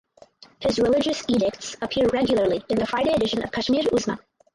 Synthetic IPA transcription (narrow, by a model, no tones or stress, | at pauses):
hɨzɹɪlɪd͡ʒɨsiɾɪk̚tsəpʰɪɹɹɛɡjl̩ˠə˞lˠiɨ̃nðɨfɹaɪɾeɪɨɾɪʃɨ̃nʔʌ̰v̥kʰʌʃmiɾuzmə̰̃